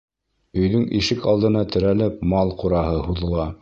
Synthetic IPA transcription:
ɵ̆jðɵŋʔiʃɘkɑlˠd̪ɤ̆nɑt̪ɘ̆ɾælɘpmɑlˠquɾɑhɤhuðɤ̆lˠɑ

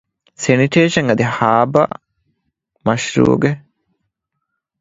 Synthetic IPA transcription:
seniʈeːʃɐŋɐd̪ihaːbɐ̰ | mɐʃɾṵːɡe

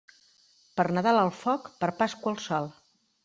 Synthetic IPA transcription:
pərnəðalˠəlˠfɔkpəɾpaskwəlˠsɔlˠ

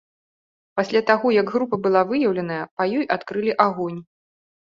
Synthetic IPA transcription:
pasʲlʲat̪aɣɔjɐɡɣɾupɐbɨlˠavɨjɐwlʲɐn̪ɐjɐpɐjɔjʔat̪kɾɨlʲiʔaɣɔnʲ

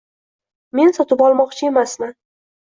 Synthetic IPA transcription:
me̞nsɒt̪ɪpɒlˠmɒqt͡ʃʰɪe̞masnɪ

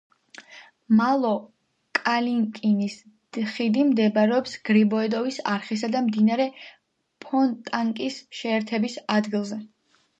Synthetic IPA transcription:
malˠɔ | kʼaliŋkʼinis | χid̪imd̪ɛbaɾɛɔpsɡ̥ɾibɔɛd̪ɔvisaɾχisad̪amd̪inaɾɛ | pʰɔnt̪ʼaŋkʼisʃɛːɾt̪ʰɛbisad̪ɡilˠzɛ

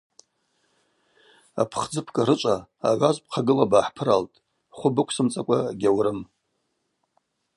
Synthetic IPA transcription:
a̰pʰχd͡zɨpʰkʼaɾɨt͡ʃʷʼaːʕʷazʷp̚ʰqʰaɡɨlabaːħpʰɨɾaltʼ | χʷʊbɨkʷʰsɨmt͡sʼakʷʼaɡʲawɾɨm

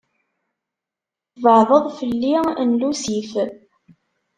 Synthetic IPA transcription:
vəʕðˤəðˤfəlːinlusif

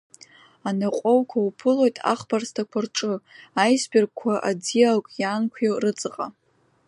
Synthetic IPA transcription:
anaqʷʼowkʷʰawpʰɨlo̞jtʼa̰χbarstʰakʷʰarʈ͡ʂʼɨajsbʲerkkʷʰːaʔad͡zialkʷʼjaːnkʷʰewrɨt͡sʼɨqʼa

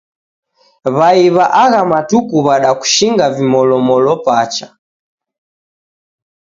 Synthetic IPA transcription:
βaiβaʔaɣamatukuβaɗaku̥ʃiŋɡavimɔlɔmɔlɔpat͡ʃa

